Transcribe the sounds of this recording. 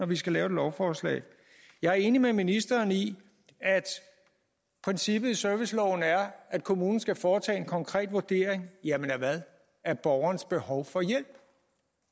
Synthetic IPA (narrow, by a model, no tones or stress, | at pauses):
nɒʋisɡ̥ælɛːʊe̝dlɒʊfɒːslɛ̰ː | jɑ̈ɪæɐe̝ːnimeminisd̥ɐːni | æd̥ | pʰʁɛnsib̥ð̞̩ˠisøɐʋislɒʊ̰n̩æɐʔæd̥̚kʰo̝muːnn̩sɡ̥æfɒːt͡sʰɛ̰ːe̝nkʰɒ̽ŋkʰʁɛ̰ːd̥ʋoɐd̥e̝ɐ̰eŋjæmenæɐʋæðˠ | æɐb̥ɒʊɐnəsb̥e̝hɒʊfɒ̽jel̰b̥